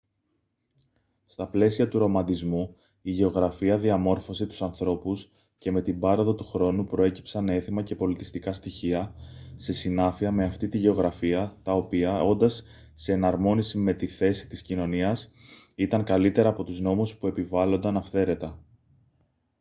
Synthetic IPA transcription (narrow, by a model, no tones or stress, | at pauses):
st̪ɐple̞siɐt̪uɾo̞mɐnd̪izmu | iʝe̞o̞ɣɾɐfiɐðiɐmo̞ɾfo̞set̪u̥sɐnθɾo̞pus | ce̞me̞t̪ibɐɾo̞ðɐt̪uxɾo̞nupɾo̞e̞ci̥psɐne̞θimɐce̞po̞lit̪ist̪ikɐst̪içiɐse̞sinɐfiɐme̞ɐft̪it̪iʝe̞o̞ɣɾɐfiɐt̪ɐo̞piɐo̞nd̪ɐsː | e̞ːnɐɾmo̞nisime̞t̪iθe̞si̥t̪iscino̞niɐs | it̪ɐŋkɐlit̪e̞ɾɐːpo̞t̪uzno̞muspue̞pivɐlo̞nd̪ɐnɐfθe̞ɾe̞t̪ɐ